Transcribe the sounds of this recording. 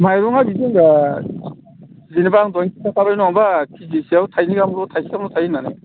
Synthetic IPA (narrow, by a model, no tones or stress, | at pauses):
majɾɔŋabiziŋa | zinibaŋdɔjŋkʰitakʰabajnɔŋbakʰizisiawtʰajniɡamlutʰajsiɡamlutʰajinanḛ